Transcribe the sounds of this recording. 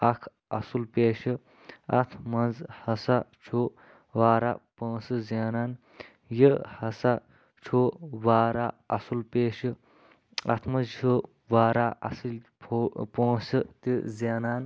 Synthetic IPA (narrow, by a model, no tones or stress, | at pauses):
ɐkʰ | ɐsulpeːʃɨ | ɐt̪ʰmɐnzhɐsɐt͡ʃʰo | ʋaːɾa̰põːsɨzaːnaːn | jəhɐsɐ | t͡ʃʰoːʋaːɾaɐsulpeːʃɨ | ɐ̰t̪ʰmɐnzt͡ʃʰu | ʋaːɾaːʔɐ̰sil | opõːsɨt̪izaːnaːn